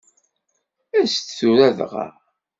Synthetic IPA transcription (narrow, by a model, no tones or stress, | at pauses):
æst̪θuɾæðʁa̰